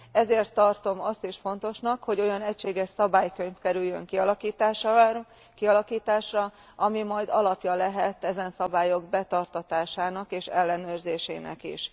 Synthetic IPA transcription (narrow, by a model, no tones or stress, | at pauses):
ɛzeːrt̪ːɒrt̪o̞mɒst̪iʃfo̞n̪t̪o̞ʃnɒkho̞ɟo̞jɒnɛcʃeːɡɛʃsɒbaːjkø̞ɲfkɛɾyjːø̰ŋkiɒlɒkiːt̪aːʃ | kiɒlɒkiːt̪aːʃrɒ | ʔɒmimɒjd̪ɒlɒpjɒlɛɦɛt̪ːɛzɛnsɒbaːjo̞ɡbɛt̪ɒrt̪ɒt̪aːʃaːnɒkeːʃɛlːɛnøːrzeːʃḛːnɛ̰kḭʃ